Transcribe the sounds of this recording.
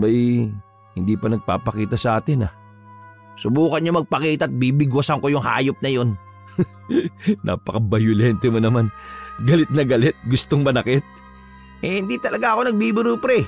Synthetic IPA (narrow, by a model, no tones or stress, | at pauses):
bɐj | hɪnd̪iːpɐnɐɡ̚pa̰ːpɐkiːt̪ɐsɐʔaːt̪ɪnɐ | sʊbuːkɐɲamɐɡ̚pɐkiːt̪ɐʔːt̪̚bibɪɡwɐsɐŋko̞jʊŋha̰ːjop̚nɐjo̞n | ʔa̰ːpɐkɐbɐjʊlɛnt̪ɛmɐnɐmanɡɐlɪt̪̚nɐɡɐlɪt̪̚ɡʊst̪oŋmɐnɐkɪt̪̚ | hɪnd̪it̪ɐlɐɡaʔɐko̞nɐɡ̚bibɪɾupɾɛ